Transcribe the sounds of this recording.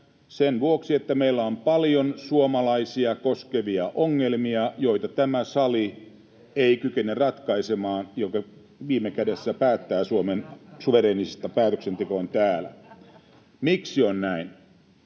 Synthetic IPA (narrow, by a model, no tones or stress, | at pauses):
senʋuoksiet̪ːæmeilːæompɑljonsuomɑlɑisiɑkoskeʋiɑʔoŋːelmiɑjoit̪ɑt̪æmæsɑli | eikykenerɑt̪kɑisemɑːnjokɑ | ʋiːmekædesːæpæːt̪ːæːsuomensuʋeɾeːnisest̪ɑpæːt̪øksent̪ekont̪æːlæ̰ | miksionnæin